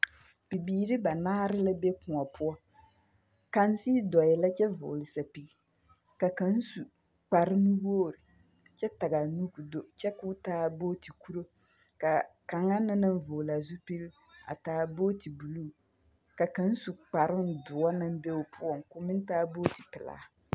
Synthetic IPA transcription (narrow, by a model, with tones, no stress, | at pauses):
pi˨biː˨ɾɪ˦ba˨naː˦ɾɪ˦la˦be˦kʊ˨a˨pʰʊ˦ɔ˦ | ka˦n˦si˦dɔ˨jɛ˨la˦t͡ʃɛ˦vʊ̰ː˨lɪ˨sa˨pi˨ɡi˦ | ka˨ka˨˦n̩˦su˨ | k͡pa˨ɾɪ˦nu˦woː˦˨ɾɪ˨ | t͡ʃɛ˦ta˨ɡa˨nu˦ku˨do˦t͡ʃɛ˦ku˦taː˦boː˦ti˨ku˦ɾo˦ | ka˨ka˨ŋa˦na˦na˦n˦voː˨la˨zu˦pi˦l | a̰˨taː˨˦boː˦ti˨bu˨lu˦˨ | ka˨ka˨˦n̩˦su˨k͡pa˨ɾɪ˦n˨dʊ˨a˦na˦m˦be˦ʊ˨pʰʊ˦ɔ˦˨ŋ˨kʊ˦mɪ˦n˦taː˦bo˦ti˨pɪ˨la̰ː˨